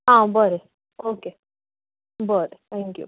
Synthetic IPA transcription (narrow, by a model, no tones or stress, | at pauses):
ɦãbəɾe | oːke | bəɾet̪ʰɛ̃ŋkjṵ